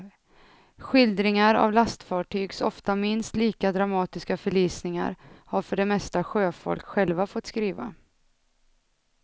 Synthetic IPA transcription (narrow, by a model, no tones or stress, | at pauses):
ɧɪld̪ɾɪŋaɾa̰vlast̪fɑːʈʰyːɡsɔft̪amɪnst̪liːkad̪ɾamɑːt̪ɪskafœɭiːsnɪŋa̰ɾhaɾfœɖɛmɛst̪aɧøːfɔ̰lkɧɛlvafɔt̪ːskɾiːva̰